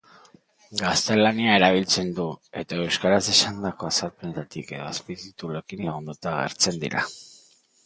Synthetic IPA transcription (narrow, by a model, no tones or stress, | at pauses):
ɡast̪e̞laniae̞ɾaβ̞ilt͡se̞nd̪ue̞t̪ae̞wskaɾase̞sand̪ako̞asalpenet̪at̪ike̞ðoaspizit̪ulekinlaɣund̪ut̪aɣ̞ḛɾt͡se̞nd̪ḭɾa̰